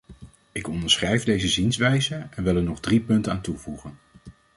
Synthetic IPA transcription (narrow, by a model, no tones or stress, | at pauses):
ɪkɔndəɹsχrɛjvdejzəzinsʋɛjzəɛnʋɪlˠɛɹnɔχdripɵntənaːntuvuχən